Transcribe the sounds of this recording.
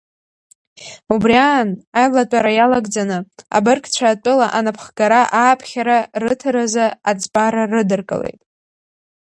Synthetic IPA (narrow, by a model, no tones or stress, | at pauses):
ubriaːnajlatʷʼaɾajalaɡd͡zanɨa̰bɨrkʼt͡ɕʷʰaːtʼʊlaʔanapʰχɡ̥aɾaʔaːpʰχʲaɾarɨtʰɨɾazaad͡zʼbaɾarɨdɨrkʼɨ̰le̞̰jtʼ